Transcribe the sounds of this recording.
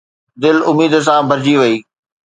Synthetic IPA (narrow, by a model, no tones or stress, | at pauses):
d̪ɪlʊmiːd̪s̬ãbʱɐɾd͡ʑiʋɐiː